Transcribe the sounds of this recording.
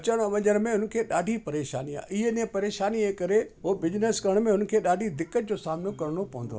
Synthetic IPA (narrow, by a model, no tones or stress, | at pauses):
t͡ɕəɽ̃ɐʋɐ̃ɲəɾmẽɦʊn̆kʰeːɗaːɖʱipɐɾeːʃa̰ːnia̰ːɪɦenɪẽpɐɾeːʃaːnieːkɐɾeɦobɪd͡ʑnəskɐɾəɽ̃mẽɦʊnkʰeːɗaːɖʱid̪ɪkːət̪̚d͡ʑosaːmɪnokɐɾɽ̃opɐʋə̃nd̪o̰aː